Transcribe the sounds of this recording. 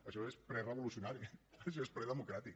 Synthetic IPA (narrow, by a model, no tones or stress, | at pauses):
əʃɔespɾɛrəβulusiunaɾiəʃɔespɾɛðəmukɾat̪ik